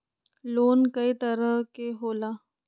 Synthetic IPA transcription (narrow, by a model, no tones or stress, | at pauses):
loːnkɐit̪ɐɾəkeɦoːlaː